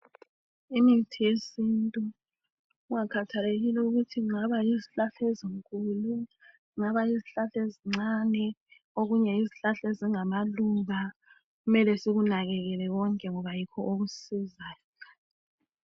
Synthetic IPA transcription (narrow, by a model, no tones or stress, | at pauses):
imitʰijesintʼu | uŋakʰatʰaleɣilɛuɣutʰiŋ͡ǁaβaiziɬaɬeziŋkʼulu | ŋaβaiziɬaɬeziŋ͡ǀanɛ | oɣuɲɛiziɬaɬeziŋamaluβa | umɛlɛsiɣunaɣɛɣɛlɛɣɔŋkʼɛŋɔβajikʰɔʔoɣusiza